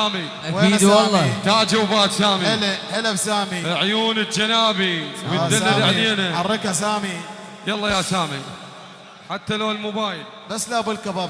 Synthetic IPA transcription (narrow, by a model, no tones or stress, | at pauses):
aːmi | aweinad̪aːlˤːɑt̪aːʕd͡ʒawbaːt̪saːmiɪlhɪlabsaːmiʕʊjuːnəd͡ʒanaːbiw̪aalːad̪aʕneːnahɑrˤːɪkhasaːmi | jalˤːɑjasaːmi | ħat̪ːaloːlmʊbaːjɪl | basːlabɪlkaba